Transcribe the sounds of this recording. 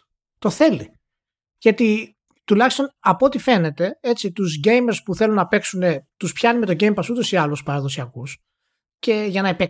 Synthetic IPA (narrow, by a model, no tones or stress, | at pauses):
t̪o̞θe̞li | ʝɐt̪i | t̪ulɐçist̪o̞nɐpoo̞t̪ife̞ne̞t̪e̞e̞t͡sit̪uzʝe̞jmeɾspuθe̞lunːɐpe̞ksune̞t̪uspçɐnume̞t̪o̞ɟejmpɐsut̪o̞siɐluspɐɾɐðo̞siɐkus | ce̞ʝɐnɐepe